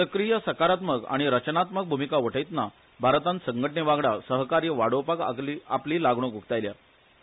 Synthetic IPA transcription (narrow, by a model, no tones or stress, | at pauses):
səkɾijəsəkaɾat̪məka̰ɽ̃iɾət͡ɕnat̪mək̚bʱumikaʋəʈʰəjt̪na | bʱaɾt̪ãnt̪səŋɡʱəʈɳeʋaɡɽasəɦkaɾjəʋaɽoʋpaka̰iapliːlaɡɳ̃oɡʱukt̪ajlja